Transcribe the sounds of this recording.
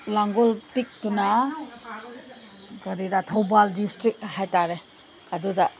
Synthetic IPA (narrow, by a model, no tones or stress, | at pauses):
laŋɡolpik̚tuna | ɡɐɾidatʰowbaldistɾik̚hajtaɾe | ɐdudɐ